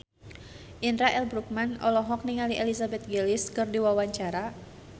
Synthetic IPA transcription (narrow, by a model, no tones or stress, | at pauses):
ʔindɾaʔɛlbɾuk̚manɔ̰lɔɦɔk̚niŋaliʔɛlisabɛt̪̚ɡeliskɨrdiwawaɲt͡ʃaɾa